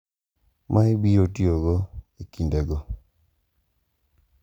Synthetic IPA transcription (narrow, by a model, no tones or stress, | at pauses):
mʔaebiotioɡɔikindeɡɔ